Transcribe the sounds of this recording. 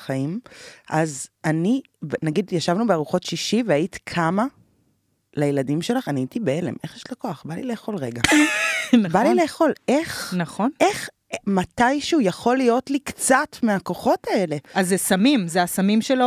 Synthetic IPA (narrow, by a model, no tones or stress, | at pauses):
χaimʔazani | venaɡidjaʃavnubeaʁuχo̞tʃiʃiveaiti̥kʰama | lajeladimʃe̞laχaniaitibeele̞̰mʔe̞χjeʃlakoaχbalile̞ːχo̞lʁe̞ɡa | nbalile̞ːχo̞lʔe̞χnaχone̞χ | matajʃeujaχo̞lijo̞tlikt͡satmeako̞χo̞tae̞le̞azːesamimzeasamimʃelo